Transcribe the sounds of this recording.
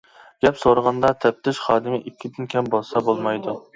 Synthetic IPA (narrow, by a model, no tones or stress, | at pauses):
ɡ̥ʲɛpsoɾəʁɑnd̪ɑt̪ʰɛp̚t̪ɪʃχɑːd̪ɨmɪʔikʲʰːid̪ɪnkʲʰɛmbolˠsɑbolˠmɑjd̪u